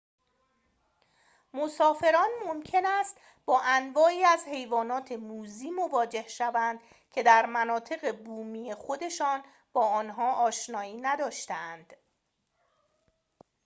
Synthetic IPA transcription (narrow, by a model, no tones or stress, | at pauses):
mosɒːfe̞ɾɒːnmomcʰe̞næst̪ | bɒːʔænvɒːiːæzhe̞jvɒːnɒːt̪ʰe̞muːziːmo̞vɒːd͡ʒe̞hʃævænd̪ | cʰe̞d̪æɾmænɒːt̪ʰe̞ɣe̞buːmiːexo̞d̪e̞ʃɒːn | b̥ɒːɒːnɦɒːʔɒːʃnɒːiːnæd̪ɒːʃt̪eænd̪̥